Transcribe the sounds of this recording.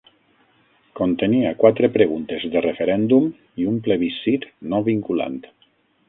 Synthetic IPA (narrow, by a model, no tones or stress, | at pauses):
kont̪eniakwat̪ɾepɾeɣunt̪ezðerefeɾɛnd̪um | iumpleβisit̪noβiŋkula̰nt̪